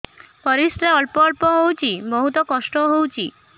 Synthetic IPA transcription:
pɔɾist̪ɾeɔlpɔɔɭpɔɦowt͡ʃʰimɔɦut̪ɔkɔsʈɔɦowt͡ʃʰi

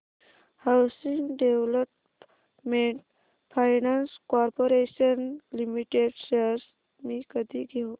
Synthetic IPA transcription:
hawsiŋɡɖeʋləp | meɳʈ | fʰajnanskɔɾpoɾeɕənlimiʈeɖsels | mikəd̪ʱiɡʱew

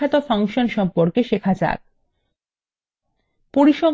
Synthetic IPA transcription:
at̪ofʰaŋʃonʃɔmpoɾkeʃekʰad͡ʑa̰k̚ | poɾiʃo

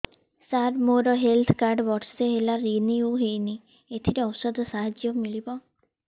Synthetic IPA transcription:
saɾmoɾɔɦelt̪ʰkaɾɖʋɔʈseɦelaɾiniuɦejni | et̪ʰiɾeɔwsəd̪ʱsaɦad͡ʒjɔmilibɔ

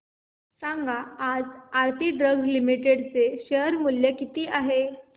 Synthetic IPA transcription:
saŋɡʱaad͡zaɾt̪iɖɾəɡzlimiʈeɽt͡seɕəɦəɾmuljekit̪iːʔaɦe

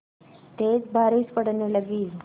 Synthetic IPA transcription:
t̪et͡sbʱaɾiːspəɽneləɡiːl

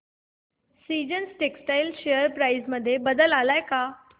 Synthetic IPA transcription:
sid͡ʑənsʈeksʈajlɕejəɾpɾajzməd̪ʱːjebəd̪əlalajka

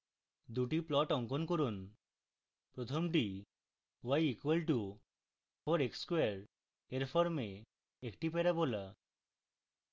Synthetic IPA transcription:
d̪uʈiplɔʈɔŋkɔnkoɾun | pɾot̪ʰomʈi | wajikwelʈu | fʰɔɾekskweɾ | eɾpʰɔɾme | ekʈipeɾabola

